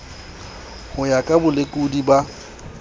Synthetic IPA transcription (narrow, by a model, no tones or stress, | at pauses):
hʊjakʼabʊlekʼudiba